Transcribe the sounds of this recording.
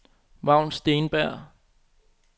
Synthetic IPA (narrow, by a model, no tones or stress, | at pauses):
ʋɑ̈ʊ̰nsd̥e̝ːnb̥æɐ̰